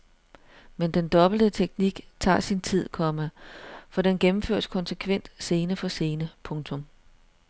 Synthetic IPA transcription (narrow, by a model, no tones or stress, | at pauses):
mend̥end̥ɒ̽b̥l̩d̥ət͡sʰeɡ̥niɡ̥t͡sʰɑ̰̈ːsint͡sʰið̞̰ˠkʰɒ̽məfɒ̽d̥enɡ̥emm̩føɐ̰d̥skʰɒ̽nsəkʰʋen̰d̥se̝ːnəfʰɒ̽se̝ːnəpʰɔ̽ŋt͡sʰɔ̽m